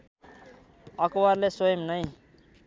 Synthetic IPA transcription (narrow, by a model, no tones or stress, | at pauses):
ʌkwarlesojʌmnʌj̃